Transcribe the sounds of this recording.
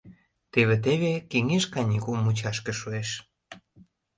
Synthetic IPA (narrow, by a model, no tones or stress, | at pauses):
t̪eβet̪̬eβekeŋeʃkɑnʲikumːut͡ɕɑʃkĕʃueʃ